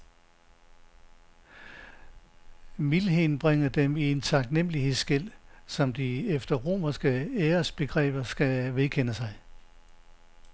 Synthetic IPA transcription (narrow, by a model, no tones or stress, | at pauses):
milɦeːn̩b̥ʁaŋ̰ɐd̥emie̝nt͡sʰɑ̈ɡ̥nem̰əlihe̝ðˠsɡ̥el̰sɒ̽md̥iefd̥ɐʁo̝̰ːmɐsɡ̥əeːɐsb̥e̝ɡ̥ʁɛ̰ːb̥ɐsɡ̥æʋe̝ðˠkʰen̰əsɑ̈ɪ